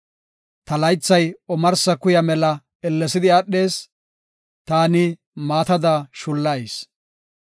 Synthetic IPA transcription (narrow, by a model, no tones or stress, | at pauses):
t̪ɐlɐjt͡sːɐjɔmɐɾsɐkʊjɐmɛlɐ | ɛlːɛsɪd̪ɪaːɗːe̞ːs | t̪aːnɪ | maːt̪ɐd̪aʃʊlːɐjs